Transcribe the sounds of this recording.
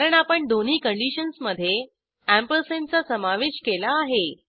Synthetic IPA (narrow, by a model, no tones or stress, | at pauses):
ɾəɳapəɳd̪on̤iːkəɳɖiɕənsməd̪ʱːje | æmpəlsent͡sasəmaʋeɕkelaːɦe